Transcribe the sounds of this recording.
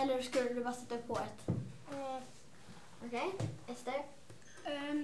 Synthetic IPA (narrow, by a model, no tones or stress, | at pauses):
ɛlːəɾskɵlːəd̪ɵbɑːɾsɛt̪ːaɵpʰːɔɛt̪ | ɔkʰejɛst̪ə